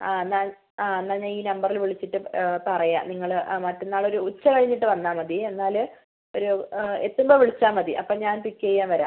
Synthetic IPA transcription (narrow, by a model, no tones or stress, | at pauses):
aːenːaː | aːenːaːɲaːniːnɐmbɐrilʋiɭit͡ɕːiʈːɨpɐrɐja̰ːniŋːɐɭmɐtːunːaːɭo̞ɾuut͡ɕːɐkɐɻiɲːiʈːɨʋɐnːaːmːɐðie̞nːaːlɨ | o̞ɾuet̪ːumbo̞ːʋiɭit͡ɕːaːmmɐðiʔɐ̰pːoːɭɲaːnpikːeːjːaːnʋɐɾa̰ːm